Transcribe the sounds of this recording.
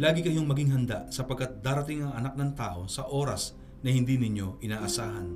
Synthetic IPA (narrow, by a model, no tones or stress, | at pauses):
laːɡɪkɐjo̞ŋmɐɡiŋɦɐnd̪asɐpɐɡkːɐt̪̚d̪aːɾɐt̪ɪŋɐŋɐnak̚nɐŋt̪aːʔo̞sɐʔo̞ːɾɐ̰s | nɐhɪnd̪inɪɲjo̞ʔɪnaːʔɐsaːhɐn